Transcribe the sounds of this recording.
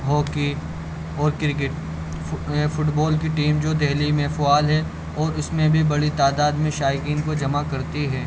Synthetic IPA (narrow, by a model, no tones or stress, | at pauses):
ɦɔːki | ɔːɾkɪɾɪkɪʈː | fʊʈbɔːlkiʈiːmd͡ʒoːd̪ɛɦlimɛ̃fʊaːlɦɛ | ɔːɾʊsmẽbʱibɐɽit̪aːd̪aːd̪mẽʃaːjɪkiːnkod͡ʒɐmakɐɾt̪iɦɛː